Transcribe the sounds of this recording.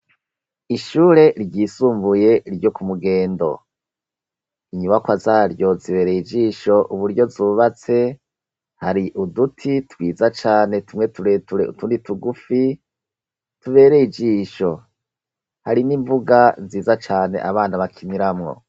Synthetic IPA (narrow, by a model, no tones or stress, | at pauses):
iʃuːɾe̞ɾɟiːsuːmbuje̞ɾɟo̞kumuɡe̞ːndo̞̰ | iɲumakwazaːɾjo̞ziβe̞ːɾejid͡ʒiːʃo̞ʔuβuɾɟo̞zuβat͡se̞ | haɾiʔudutʰitwiːzat͡ʃaːne̞tumŋetuɾetuɾḛṵtuːndituɡufi | tuβe̞ːɾeid͡ʒiːʃo̞ | haɾiniɱvuɡaziːzat͡ʃaːne̞̰ʔaβaːnaβakʰiniɾamŋo̞̰